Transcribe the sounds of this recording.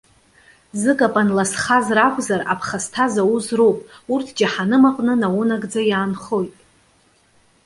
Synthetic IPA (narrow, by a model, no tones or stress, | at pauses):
zɨkʼapʼanlasχazrakʷʰʼzara̰pʰχastʰazawuzrowpʼurtʰd͡ʒaħanɨmaqʼnɨnawʊnaɡd͡zajaːnχo̞jtʼ